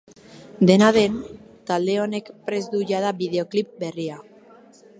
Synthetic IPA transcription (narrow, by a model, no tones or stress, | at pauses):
d̪e̞naðe̞n | t̪ald̪e̞o̞ne̞kpɾe̞zd̪uʝað̞aβið̞e̞o̞klip̚be̞ria